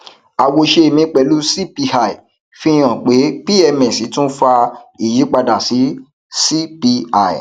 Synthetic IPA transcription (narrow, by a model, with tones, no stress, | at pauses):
a˨wo˧ʃe˧e˨mĩ˧k͡pɛ˨˦lu˦si˦pi˧ha˦˨i˨ | fĩ˦j̃ã˨k͡pe˨˦pi˦ɛ˧mɛ̃˨si˨˦tũ˦fa˧i˦˨ji˨˦k͡pa˧da˨si˨˦ | si˦pi˧a˦˨ḭ˨